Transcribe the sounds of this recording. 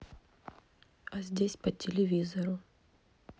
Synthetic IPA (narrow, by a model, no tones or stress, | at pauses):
ɐzʲdʲesʲpətʲɪlʲɪvʲizəɾʊ